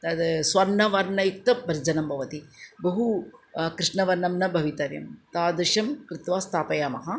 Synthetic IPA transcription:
d̪ɐt̪sʋɐɾnɐʋɐɾnɐjuk̚t̪ɐbɐɾd͡ʒɐnɐmbʱɐʋɐt̪ibɐɦukɾɪʂɳɐʋɐɾnɐmnɐbʱɐʋit̪ɐɾjɐ̰mt̪aːd̪ɐʃɐmkɾɪt̪ʋaːst̪ʰaːpɐjaːmɐɦɐ

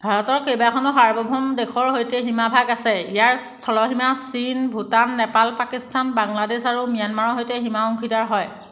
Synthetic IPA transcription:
bʱaɹɔtɔɹkejbakʰɔnɔxaɹbɔbʱɔmdexɔɹɦojtɛɦimabʱaɡasɛijaɹstʰɔlɔɦimasinbʱutanːɛpalpakistʰanbaŋladesaɹumijanmaɹɔɦojtɛɦimaɔŋkʰitaɹɦɔj

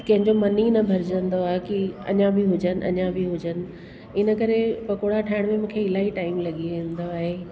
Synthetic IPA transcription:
kɐ̃ɦɪ̃ɲd͡ʑomɐninɐbʱɐɾd͡ʑə̃nd̪oaːekiɐ̰ɲãbʱiɦʊd͡ʑənɪ̆ʔɐ̰ɲãbʱiɦʊd͡ʑənɪ̆ | ɪnə̆kɐɾepɐkoɽaʈʰaːɪɽ̃mẽmũːkʰeɪlaːɦiʈaːɪmlɐɠiʋẽːn̆d̪oaːɦe

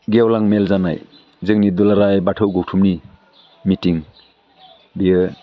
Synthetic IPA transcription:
ɡewlaŋmelzana̰j | zɯŋnidulaɾajbatʰɯwɡowtʰumni | mitiŋ | bijɯ

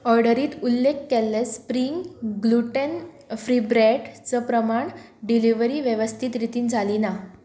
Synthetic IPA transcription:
ɔɾɖəɾiːt̪ulːekːelːespɾiŋɡɡluʈən | fɾibɾɛʈt͡səpɾəmaɳ | ɖiliʋəɾiːʋjeʋəst̪ʰit̪ɾit̪iːnd͡zʱalina

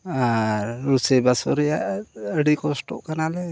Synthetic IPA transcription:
aɾɾusɛbasɔɾɛjaʔəɽikɔsʈɔ̰ʔkanalɛ

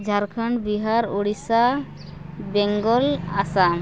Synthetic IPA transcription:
d͡ʒʱaɾkʰəɳɖbiɦaɾuɽisa | bɛŋɡɔlasa

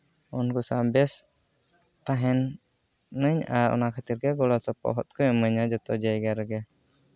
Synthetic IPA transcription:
unkusambɛs | t̪aɦɛnː | əɲaɔ̰nakat̪irɡaɡɔlɔsəpɔ̰ɦɔt̪̚kujaməɲad͡ʒɔt̪ɔd͡ʒaiɡaɾɡa

